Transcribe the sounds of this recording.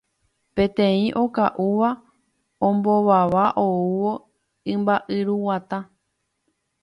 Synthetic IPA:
pẽ̞t̪ẽĩʔo̞kaʔuʋa | õmboʋaʋaʔouʋo̞ | ɨ̃mbaʔɨɾuwat̪ã

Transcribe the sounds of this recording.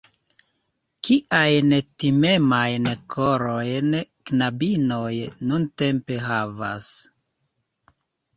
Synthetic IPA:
kiʔajntime̞majnkʰoɾo̞jnknabino̞jnunte̞mpe̞ɦava̰s

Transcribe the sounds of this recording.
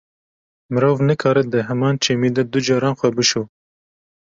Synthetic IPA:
mɨɾoːvnɨkʰɑːɾɨd̪ɨɦɛmɑːnt͡ʃʰeːmiːd̪ɛd̪ud͡ʒɑːɾɑːnxʷɛbɨʃuː

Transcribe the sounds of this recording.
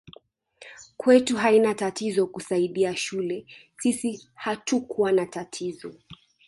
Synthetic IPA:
kwɛtuɦainatatizɔkusaiɗiaʃulɛ | sisihatukuwanatatʰizɔ̰

